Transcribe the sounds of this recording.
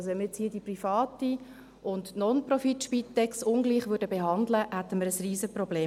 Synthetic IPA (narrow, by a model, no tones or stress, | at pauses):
soɛnmɪt͡shiːədiprifɑːti | ʔʊntnɔnprɔfitʃpitːɛksʊŋɡliːχʋʉdəbeɦɑnd̪ləhæt̪ːəməɾəsriːzəprɔbleː